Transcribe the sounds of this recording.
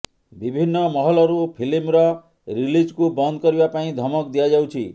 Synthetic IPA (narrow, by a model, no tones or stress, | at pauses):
bibʱinːʌmɔɦɔlɔɾupʰilimɾʌ | ɾilid͡ʒkubʌnd̪ʱkɔɾibapaĩd̪ʱɔmɔkd̪ijad͡ʒawt͡ʃʰi